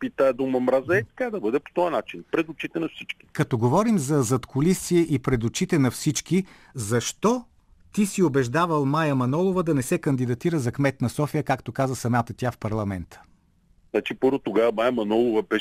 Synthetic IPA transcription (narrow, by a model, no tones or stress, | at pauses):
pit̪ad̪omɐmɾazɛt̪kad̪ɐbɤd̪ɛpo̥t̪ɔjənat͡ʃinpɾɛd̪ʊt͡ʃit̪ɛnɐfsit͡ʃki̥kɐt̪ɔɡovɔɾimzɐzɐt̪kʰolisiɛʔipɾɛd̪ʊt͡ʃit̪ɛnɐfsit͡ʃk̟i | zɐʃt̪ɔ | t̪isiobɛʒd̪avəlˠmajɐmɐnɔlˠovəd̪ɐnɛsɛkɐnd̪id̪ɐt̪iɾəzɐkmɛt̪nɐsɔfijəkakt̪okazəsɐmat̪ət̪ʲafpɐɾlˠɐmɛnt̪ʰə̥ | znat͡ʃipɤɾvot̪oɡavɐmajɐmɐnɔlˠovɐbɛ